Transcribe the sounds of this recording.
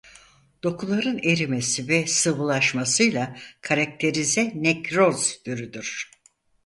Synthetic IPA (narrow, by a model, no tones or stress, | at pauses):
d̪̥o̞kʰulˠaɾɯne̞ɾime̞sivɛsɯvɯlˠaʃmasɯjlˠakʰaɾak̚t̪ʰe̞ɾizɛnɛkɾozd̪yɾyd̪yɾ̥